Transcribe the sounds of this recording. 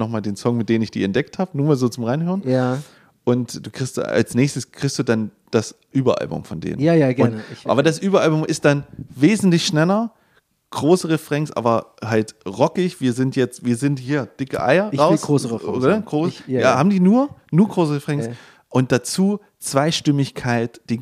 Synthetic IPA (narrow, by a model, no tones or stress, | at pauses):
nɔχmaːldeːnsɔŋmɪt̚d̥eːnənɪçd̥ḭːɛ̰ntd̥ɛk̚thaːbənuːɐmaːlzoːt͡sʊmʁaɪnɦøːʁn | ʔʊntd̥uːkʁ̥ɪçsta̰lsnɛːçstəskʁ̥ɪçstd̥uːdan | d̥as | ʔyːbɐ̰ʔa̰lbʊ̰mfɔndḛːnə̰ajaɡʊnta̰ːbɐdasʔyːbɐʔalbʊmʔɪst̚d̥anveːzn̩tlɪçʃnɛlɐ | ɡ̥ʁoːsəʁəfʁ̥ɛŋsʔa̰ːbɐɦaltʁɔkɪçv̥iːɐzɪntjɛt͡stv̥iːɐzɪnthiːɐd̥ɪkə̰ʔa̰ɪɐʁaʊsʁøsənəɡ̥ʁoːsjaːhaːbm̩diːnuːɐnuːɐɡʁoːs̬əʁəfʁ̥ɛŋs | ʔʊnt̚d̥at͡suː | t͡sv̥aɪʃtʏmɪçkʰaɪtd̥ɪ